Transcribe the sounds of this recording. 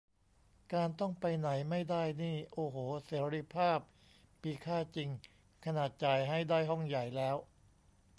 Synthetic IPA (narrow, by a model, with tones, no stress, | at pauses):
kaː˧nt̪ɔ˥˩ŋpa˧jna˩˦jma˥˩jda˥˩jniː˥˩ʔoː˧ɦoː˩˦seː˩˦˥ɾi˧˥pʰaː˥˩p̚ː | iː˧kʰaː˥˩t͡ɕi˧ŋ | kʰa˧naː˨˩t̪̚t͡ɕa˧˩jɦa˥˩jdaː˥˩jɦɔ˥˩ŋja˨˩jlɛː˦˥w